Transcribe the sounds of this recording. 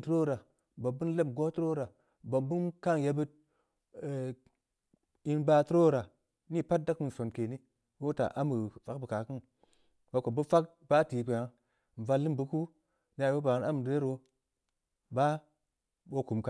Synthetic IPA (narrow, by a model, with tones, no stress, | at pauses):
tɾo˦ɾa˨ | bo˨bu˦n˦le˦mɡo˦tu˦ɾo˦ɾa˨ | bo˨bu˦nka˦ŋja˧bɨ˦t̚ | i˦nba˦tu˦ɾo˦˨ɾa˨ | ni˦˨pa˦t̚da˦kmɨ˨n˨so˨nke˨ni˦ | wo˦ta̰˨ʔa˦mu˨fa˦kbə˨ka˨kɨ˦n | wa˨˦ko˨bu˦fa˦k̚ | b̥a˦ti˨pe˨a˦ | ɱ˨va˧lːi˦mbɨ˦ku˦ | n˦a˨˦bo˦ba˨˦na˦m˨de˦ɾo˧ | ba˦ | bo˦ku˨mka˨